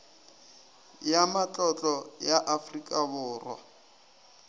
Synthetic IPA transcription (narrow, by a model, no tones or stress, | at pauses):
jamat͡ɬʼɔt͡ɬʼɔjaʔafrikʼabʊːrwa̰